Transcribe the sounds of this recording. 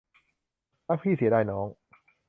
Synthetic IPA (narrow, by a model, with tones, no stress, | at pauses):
laː˦˥k̚pʰiː˥˩si˨˩˦daː˧˩jnɔː˦˥ŋ